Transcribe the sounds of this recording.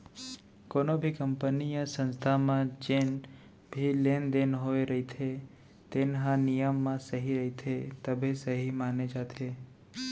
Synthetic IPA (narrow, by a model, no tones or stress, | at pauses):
koːnobʱikəmpənijəsə̃nst̪ʰamãd͡ʒen | bʱileːnd̪enɦoeɾəɦit̪ʰe | t̪eːnɦãnijəmːãsəɦiɾəɦit̪ʰet̪əbʱesəɦimaːned͡ʒaːt̪ʰe